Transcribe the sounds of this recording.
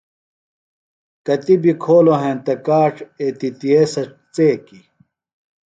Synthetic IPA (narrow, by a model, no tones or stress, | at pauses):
kɐt̪ibikʰoːloɦẽːnt̪ɐkaːʈ͡ʂet̪it̪iesɐ | t͡seːki